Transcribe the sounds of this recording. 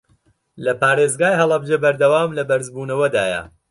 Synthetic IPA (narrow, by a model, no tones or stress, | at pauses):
lɐpʰaːɾeːzɡaːjɦɐlˠɐbd͡ʒɐbɐɾd̪ɐwaːmlɐbɐɾzbuːnɐwɐd̪aːjɐ̰